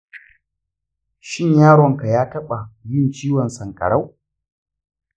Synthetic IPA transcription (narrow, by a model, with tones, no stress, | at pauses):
ʃɪ˦˨ɲjaː˦ɽɔ˨ŋka˨jaː˦tɐ˦ɓa˨jʊ˦nt͡ʃiː˦wɔ˨nsɐ˨ŋkʼɐ̰˨ɽa˦w